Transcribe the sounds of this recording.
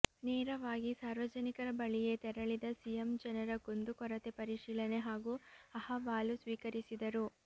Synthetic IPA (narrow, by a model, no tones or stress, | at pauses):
neːɾɐʋaːɡisaːɾʋɐd͡ʒɐnikɐɾɐbɐɭije̞t̪ɛɾɐɭid̪ɐsijemd͡ʒɐnɐɾɐɡond̪ukɔɾɐt̪e̞pɐɾiʃiːlɐne̞ɦaːɡuːɐhɐʋaːlusʋiːkɐɾisid̪ɐɾu